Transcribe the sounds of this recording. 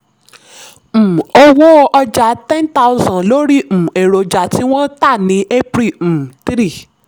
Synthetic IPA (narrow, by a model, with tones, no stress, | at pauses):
m̩˨o˧wo˦ʔɔ˧d͡ʒa˧˨tɛ̃˦n˦ta˦u˧zɔ̃˨lo˨˦ɾi˦m̩˨e˨ɾo˨d͡ʒa˨ti˨˦w̃ɔ̃˦ta˦˨nĩ˨˦e˦pɾi˦˨tɾi˦˨